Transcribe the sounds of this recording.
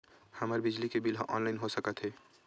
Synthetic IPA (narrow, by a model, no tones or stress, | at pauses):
həməɾbɪd͡ʒlikebɪlɦoʔɔ̰ːnlaɪnɦosəkət̪ɦɛː